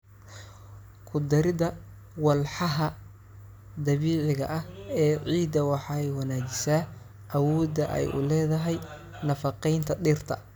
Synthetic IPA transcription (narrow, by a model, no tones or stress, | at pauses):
kʰʊd̪ɐɾɪðɐ | wɑlħɑɦɐ | d̪ɐβiːʕɪɣɐ̰ʔɐhɛːʕiːd̪ɐwɑħɑɛjwɑnaːd͡ʒɪsaː | ʔɐwɔːd̪ɐʔɛ̰jʔʊ̰lɛːðɐɦɛj | nɐfɐqɛjnt̪ʰɐɗɪrt̪ʰɐ̰